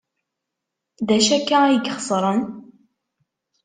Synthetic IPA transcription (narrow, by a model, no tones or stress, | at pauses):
ðæʃækːææjəɡχə̥sˤɾˤən